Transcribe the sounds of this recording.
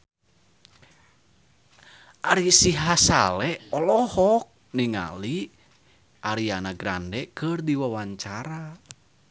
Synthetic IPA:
ʔaɾisiɦasa̰lɛɔlɔhɔk̚ | niŋa̰li | ʔaɾianaɡɾa̰ndɛkɨrdiwawaɲt͡ʃaɾa

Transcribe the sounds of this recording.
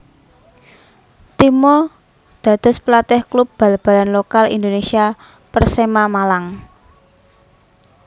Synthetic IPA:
t̪imɔ | d̪̥ä̤d̪̥ɔ̤splat̪ɪhklup̚b̥ä̤lb̥ä̤lanlokalḭnd̪onesia | pərsemamalaŋ

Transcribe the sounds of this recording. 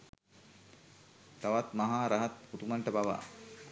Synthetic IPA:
t̪aʋat̪maɦaːɾaɦat̪̚ut̪umaɳʈəbaʋa̰

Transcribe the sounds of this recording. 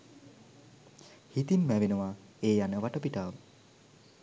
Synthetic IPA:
hit̪imːæʋenəʋaeːjanəʋaʈəpiʈaːʋə

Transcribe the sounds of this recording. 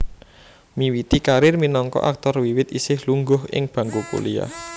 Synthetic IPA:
miwit̪ikaɾɪrminɔŋkɔ̰ʔak̚t̪ɔrwiwɪt̪isɪhluŋɡʊɦɪ̰ŋb̥ä̤ŋɡopṵlia̰

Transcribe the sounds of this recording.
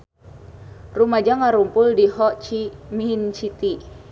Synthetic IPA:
rumad͡ʒaŋaɾumpʊldiɦɔt͡ʃimint͡ʃit̪i

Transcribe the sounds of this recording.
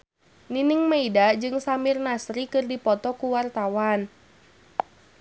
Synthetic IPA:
ninɪŋmaidad͡ʒɨŋsamɪrnasɾikɨrdipɔt̪ɔkuwart̪awan

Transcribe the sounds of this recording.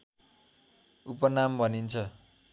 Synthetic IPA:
upʌnambʱʌnint͡sʰʌ

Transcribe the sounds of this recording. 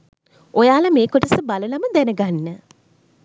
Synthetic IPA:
ojaːlɐmeːkoʈəsəbaləlaməd̪ænəɡanːə

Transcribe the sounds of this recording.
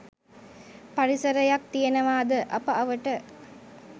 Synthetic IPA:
paɾisɐɾɐjak̚t̪ijenɐʋaːd̪əʔɐpəɐʋəʈə

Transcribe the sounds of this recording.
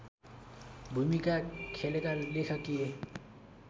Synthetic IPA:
bʱumikakʰelekalekʰakie

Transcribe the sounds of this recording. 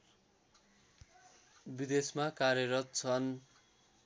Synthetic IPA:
bid̪esmakarjʌɾʌt̪̚t͡sʰʌn

